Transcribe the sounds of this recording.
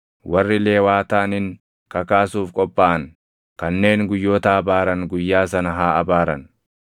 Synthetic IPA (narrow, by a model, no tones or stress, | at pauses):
wɐrːɪle̞ːwaːt̪aːnɪn | kɐkaːsuːfkʼɔpʼːaːʔɐnŋ | kɐnːe̞ːŋɡʊjːoːt̪ɐːbaːɾɐnɡʊjːaːsɐnɐɦaːɐbaːɾɐn